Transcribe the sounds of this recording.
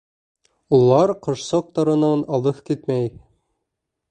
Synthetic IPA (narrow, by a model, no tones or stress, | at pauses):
ulˠɑɾqɤ̆ʃsɑq̚t̪ɑɾɤ̆nɑnɑlˠɤθkit̪mæj